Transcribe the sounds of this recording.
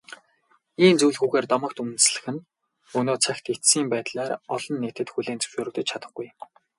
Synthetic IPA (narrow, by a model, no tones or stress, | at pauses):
iːnt͡sujɮɣuːɣeːrt̪ɔmə̆k̚t̪umɵ̆nsɮɘ̆xɘ̆n | ɵnoːt͡sʰæxt̪et̪siːmpæːt̪ɮaːrɔɮɞ̆nːeːt̪ɘ̆t̪xuɮeːnt͡sɵ̥wʃoːɾɵ̆kt̪ɘ̆t͡ɕt͡ɕʰat̪ə̆χɡuj